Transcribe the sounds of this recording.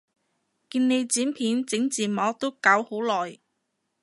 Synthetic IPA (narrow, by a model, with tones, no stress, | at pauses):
kiː˧nne˨˧jt͡siː˨˥npʰiː˨˥nt͡sɪ˨˥ŋt͡siː˨˩mɔː˨˥t̪o˥kaː˨˥who˨˥wlɔː˨˩j